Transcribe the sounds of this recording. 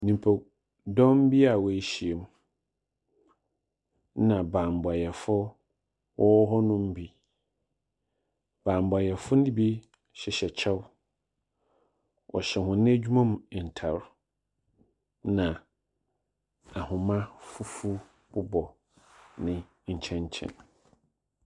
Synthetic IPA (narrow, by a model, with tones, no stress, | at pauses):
nĩ˨m˨pʰo˨ | dɔ̃˦m˦bi˦a˨wɔ˨e˨ɕi˨e˨m˦ | nã˨bãː˨m˨ba˨jɛ˨fʊ˦ | wʔɔ˦wɔ˦ɦɔ˦nʊ̃˦m˦bi˦ | b̥ãː˨m˨ba˨jɛ˨fʊ˦n̩˦ĩ˦bi˦ | ɕɛ˨ɕɛ˨t͡ɕʰɛ˦w | ʔɔ̰˨ɕɛ˨hʊ̃˨nɪ̃˦æ˦d͡ʑᶣu˦mã˦m˨n̩˨tʰa˨ɾ | nã˨ | a˨hʊ̃˨mã˦fu˦fu˦ | b̥ʊ˦bɔ˨ | nɪ̃˨ | ɲ̩˨t͡ɕʰɛ̃˦ɲ˦t͡ɕʰɛ̰̃˦n